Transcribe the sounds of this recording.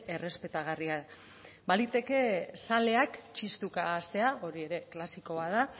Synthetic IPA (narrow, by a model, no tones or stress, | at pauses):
e̞re̞spe̞t̪aɣ̞aria | balit̪e̞ke̞sale̞akt͡ʃist̪ukaːst̪e̞aʔo̞ɾie̞ɾe̞klasiko̞βaða